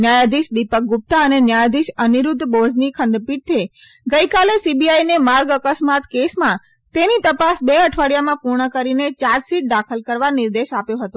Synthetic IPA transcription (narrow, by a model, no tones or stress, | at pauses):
njajad̪iʃd̪ipək̚ɡʊp̚t̪aənenjajad̪iʃəniɾud̪ʱːbod͡ʒnikʰə̃nd̪piʈ̚t̪ʰe | ɡəikalesibiajnemaɾɡəkəsmat̪kesmã | t̪enit̪əpasbeəʈʰʋaɽijamãpuɾɳəkəɾinet͡ʃad͡ʒsiʈ̚ɖakʰəlkəɾʋaniɾd̪eʃapjõɦət̪õ